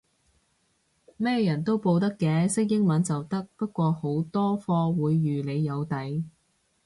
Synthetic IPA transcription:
mɛː˥jɐ˨˩nt̪o˥wpo˧wt̪ɐ˥kːɛː˧sɪ˥k̚jɪ˥ŋmɐ˨˧nt͡sɐ˨wt̪ɐ˥k̚pɐ˥t̚kʷɔː˧ho˨˥wt̪ɔː˥fɔː˧wuː˨˧jːyː˨˩le˨˧jːɐ˨˧wt̪ɐ˨˥j

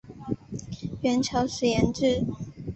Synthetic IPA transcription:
ɥɛ˧˥nt͡ɕʰjɑ˧˥ʊʂɻ̩˨˩jɛ˧˥nʈ͡ʂɻ̩˥˨

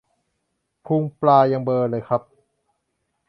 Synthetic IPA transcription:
pʰu˧ŋplaː˧ja˧ŋbɤː˧lɤː˧jkʰa˦˥p̚

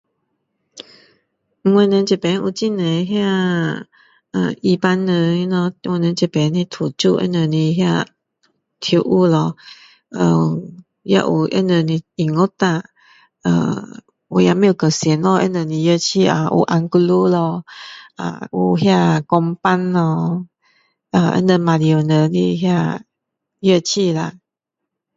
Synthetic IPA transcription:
ŋwɛ̃˧nə˨˧nt͡ɕɛ˨˩pɛ˨˦nʔṵ˧t͡ɕi˥˧˨nə˨ɦja˥˧˨ | ə̰˨˩i˧pa˦nːə˧˦nɔ˧wɛ˧nə̃˨˧˦t͡ɕɛ˨˩pɛ˨˦ni˧˦t̪ʰu˨˩t͡ɕu˥˧˨ʔə̰˧˦nə˨nĩ˧ɦja˥˧ | t̪ʰju˧˦ʔu˧lɔ˧ | ʔə˧˩˨ | ja̰˥˧ʔu˨ʔə̰˦nə˨ni˧i˨˩ŋo˥˦t̪a˥˧˨ | ə̰˧ | wɔ˨˩ja˨˧˨mẽ˧˥˦jo˨˩˨kə˨˩sjɛ˨˦nlɔ˧ʔə̰˦nə˨˩nĩ˨˧jə˥˧t͡ɕʰi˥˧a̰˧ʔṵ˨˧ʔa˧ŋku˧lu˦lɔ˧a̰˨u˨ɦja˥˧˨kɔ˧ŋpa˦nlɔ˧ | ə˧˩ʔə̰˧˦nə˧˨mã˨li˨o˨˩nə˨˦ni˧ɦja˥˧ | jə˥˧˨t͡ɕʰi˥˧la̰˧˨

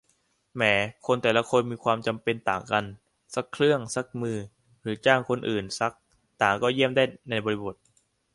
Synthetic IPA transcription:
mɛː˩˦kʰo˧nt̪ɛː˨˩la˧˦kʰo˧nmiː˧kʰwaː˧mt͡ɕa˧mpe˧nt̪aː˨˩ŋka˧n | sa˦˥kʰlɯ˥˩əŋsa˦˥k̚mɯː˧ | ɾɯː˩˦t͡ɕaː˥˩ŋkʰo˧nʔɯː˨˩nsa˦˥k̚ | t̪aː˨˩ŋkɔː˥˩ji˥˩əmdaː˥˩jna˧jbɔː˧ɾi˦˧bo˨˩t̪̚

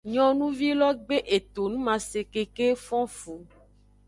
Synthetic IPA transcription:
ɲɔ̃˨nũ˦vi˦lɔ˦ɡ͡be˦ʔe˨t̪o˨nũ˦mã˨se˨ke˨ke˦fɔ̃˦fu˨

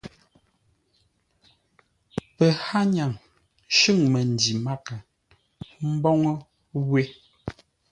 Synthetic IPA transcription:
pɛ˨ha˦ɲa˨ŋ | ʃʉ˦˨ŋmɛ˨n̩˨di˨ma˦ka˨ | m̩˦bɔ˦ŋɔ˦ | ɣwe˦

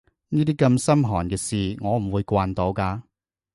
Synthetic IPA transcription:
niː˥t̪iː˥kɐ˧msɐ˥mɦɔː˨˩nkɛː˧siː˨ŋɔː˨˧m̩˨˩wuː˨˧jkʷaː˧nt̪o˨˧wkaː˧

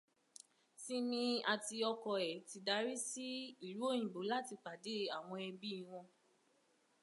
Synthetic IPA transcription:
si˦mĩ˧a˨ti˧ɔ˧kɔ˧ɛ˨ti˧da˨˦ɾi˦si˦i˦˨ɾu˨˦o˦˨j̃ĩ˨bo˨˦la˦ti˧k͡pa˨de˨˦a˦˨w̃ɔ̃˧ɛ˧bi˦i˧w̃ɔ̃˧

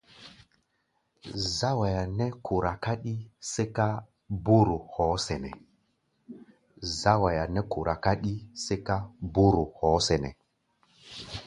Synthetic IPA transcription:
za˦wa˨ja˨ne˦kʰu˨ɾa˨ka˦ɗi˦se˦ka˦ | bu˦ɾu˨hɔ˨˦se˨nɛ̰˨ | za˦wa˨ja˨ne˦ku˨ɾa˨ka˦ɗi˦se˦ka˦bu˦ɾu˨hɔ˨˦se˨nɛ̰˨

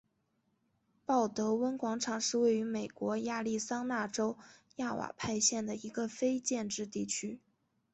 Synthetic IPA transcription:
pɑ˥˩ʊt̪ɤ˧˥wə˥nkwɑ˧˥ŋʈ͡ʂʰɑ˨˩ŋʂɻ̩˥˧we˥˩ɪy˧˥me˨˩ɪkwɔ˧˥ja˥˧li˥˩sɑ˥ŋna˥˩ʈ͡ʂo˥ʊja˥˩wa̰˨˩pʰa˥˧ɪɕjɛ˥˩nd̪ə˩i˧˥ɡə˧fe˥ɪt͡ɕjɛ˥˧nʈ͡ʂɻ̩˥˧t̪i˥˩t͡ɕʰy˥

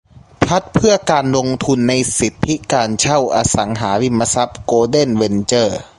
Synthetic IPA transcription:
pʰa˦˥t̪̚pʰɯ˥˩ɐkaː˧nlo˧ŋt̪ʰu˧nːa˧jsi˨˩˦t̪ʰːi˦˥kaː˧nt͡ɕʰa˥˩wʔaː˧sa˩˦ŋɦaː˩˦wi˧˥mːa˧sa˦˥p̚koː˧de˥˩˨nwe˧nt͡ɕɤː˧˩

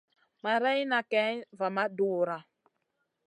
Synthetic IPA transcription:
ma˨ɾɛ˦jna˨kɛ˦va˨ma˦duː˦˨ɾa˨

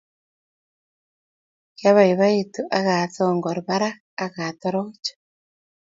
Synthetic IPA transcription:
kja˦βa˨iβa˦itu˨ʔa˦ɣa˨θoŋɡɔ˨ɾβa˦ɾaː˦ | ɣat̪ɔɾot͡ʃɔ̥

